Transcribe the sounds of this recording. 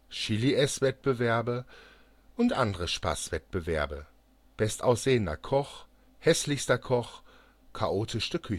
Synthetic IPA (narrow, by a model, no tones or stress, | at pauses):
ʃiliʔɛsv̥ɛt̚b̥əvɛɐbə | ʔʊntʔandəʁəʃpa̰ːsv̥ɛt̚b̥əvɛɐbə | b̥ɛstʔaʊsz̥eːənɐ̰kʰɔχ | hɛslɪçstɐkʰɔχ | kʰaʔoːtʰɪʃtəkʰʏ